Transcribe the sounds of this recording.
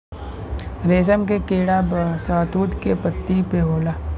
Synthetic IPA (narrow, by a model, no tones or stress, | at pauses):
ɾeːsəmkekeːɽabsaːt̪uːt̪kepət̪ːipeɦoːlaː